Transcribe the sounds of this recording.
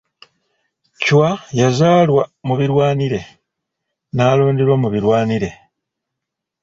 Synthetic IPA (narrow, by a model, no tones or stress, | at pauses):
cwajazaːlwamuβiɾwaːniɾe̞ | naːlo̞ːndiɾwamuβiɾwaːniɾe̞